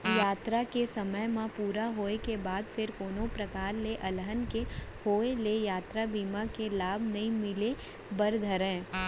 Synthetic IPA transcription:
jaːt̪ɾakesɐməjmãpuːɾaɦoːekebaːd̪fʰɪɾkoːnõpɾɐkaːɾleʔɐlɦənkehoːelejaːt̪ɾabiːmakelaːbʱnɐɦĩmɪle | bɐɾd̪ʱəɾɛ̃ː

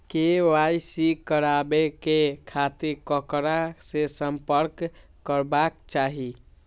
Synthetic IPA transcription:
kewajsikəɾabekekʰat̪iɾkəkɾasesəmpəɾkː | əɾbakt͡ʃaɦi

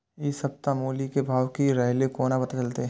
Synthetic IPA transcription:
ɪsɐp̚t̪amoːlikebʱaːwkiɾɛɦlekoːnapɐt̪at͡ʃɐlt̪e

